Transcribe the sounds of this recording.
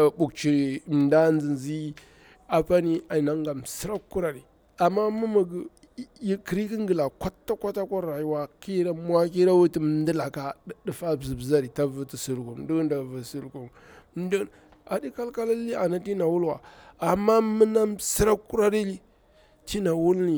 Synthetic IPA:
bu˨kt͡ʃi˨ɾi˨m˨nda˦nd͡zi˨nzi˦ | a˨pa˦ni˦a˨na˨˦ŋɡa˨m˨si˦ɾa˦kːu˦ɾa˨ɾi˨ | a˨mːa˦mu˦mə˨ɡ | ji˦kə˨ɾi˦ki˦ŋɡə˨la˨kʷa˦tːa˦kʷa˦ta˦kʷa˦ɾa˨ji˦wa˨ki˦ɾa˦m˦a˦ki˦ɾa˦wu˦ti˦m˦ndə˦la˨ka˨˦di˨fa˦bzi˨bza˦ɾi˨ta˦və˦ti˨su˨lku˨mdi˦knda˨və˨su˨lku˨m˦ | də˦ | a˨di˦ka˦lka˦la˦li˦a˨na˦ti˦na˨wu˦lwa˨a˨mːa˦mə˦na˦msi˦ɾa˦kːu˦ɾa˦ɾi˦li˦ | ti˦na˨wu˦lni˨

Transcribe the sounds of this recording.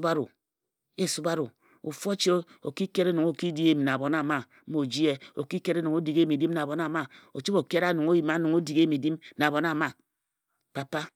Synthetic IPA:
ba˦ɾu˨ | e˦˨su˦ba˦ɾo˨ | u˨fo˦t͡ʃi˦o˨ki˦ke˦ɾe˦nu˨ŋo˨ki˦di˦e˦˨m˨na˨bo˨na˦˨ma˦o˨d͡ʒi˦e˦o˨ki˦ke˦ɾe˦nu˨ŋo˦di˨ɡe˦mi˨di˦mna˨bo˨na˨ma˦o˨t͡ʃi˦bo˨ke˦ɾa˦nu˨ŋo˦ji˨ma˦nu˨ŋo˦di˨ɡe˦mi˨di˦mna˨bo˨n˦a˦˨ma˦ | pa˨pa˦

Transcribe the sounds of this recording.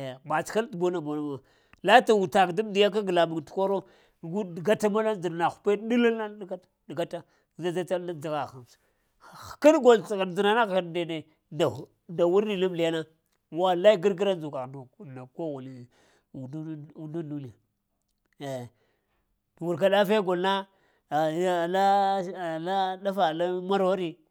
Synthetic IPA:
ba˨t͡ʃka˦ltbo˦na˨bo˨na˨bo˨ | la˦ta˨wu˨ta˨kdi˦m˦di˨ja˦k̬a˦ɡla˨mi˨ŋtu̥˨ko˦ɾo˦˨ | ɡu˦di˨ɡa˦ta˦ma˦la˦nd͡ʒi˨ɾna˨xu̥˨pe˦di˦la˦lna˦dɡa˦tḁ˨dɡa˦ta˦˨ | za˦d͡ʒa˦ta˦a˦d͡za˦˨ɣa˨xa˨m˨s | ka˦nɡo˨lɣa˨d͡zi˨na˨na˦ɣa˨de˨ne˨ | na˨ | nda˨wu˦ɾi˨lu˦mli˨ja˦na˦ | wa˦la˦i˦ɡi˦ɾɡi˦ɾa˦nd͡ʒu˨ka˨ɣn˨na˨ko˦ɣu˨li˨ | u˨du˨nu˦du˦ni˦˨a˨ | e˨ | wu˨ɾka˨ɗa˦fe˦ɡo˨lna˦˨˦ | la˦˨ | la˦da˦fa˨la˦ma˦ɾo˦ɾi˦

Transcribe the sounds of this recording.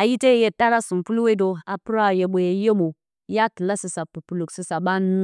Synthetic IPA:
a˨ji˦te˦˨je˨ta˦ɾa˦su˨mpu˦lwe˦do˨a˨pu˦ɾa˦˨je˨ɓo˨je˨je˦mo˨ | ja˦ki˨la˦si˨sa˨pu˨pu˨lu˨ksi˨sa˨ɓa˦n˦

